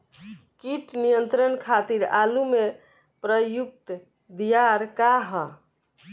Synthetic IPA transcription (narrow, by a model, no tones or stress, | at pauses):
kiʈnijənt̪ɾənkʰat̪iɾalume | pɾəjuk̚t̪ | d̪ijaɾkaɦə